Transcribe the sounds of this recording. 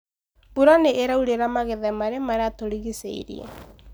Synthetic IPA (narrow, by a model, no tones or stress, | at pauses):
buɾaneʔːɾauɾeɾamaɣeðɛmaɾemaɾeatoɾiɣisḛḭɾḭɛ̰